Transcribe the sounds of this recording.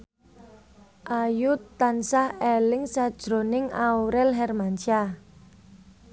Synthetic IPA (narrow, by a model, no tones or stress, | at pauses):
ʔajut̪ːansahelɪŋsad̥ʒ̥ɾo̤nɪŋauɾɛlɦɛrmant͡ʃa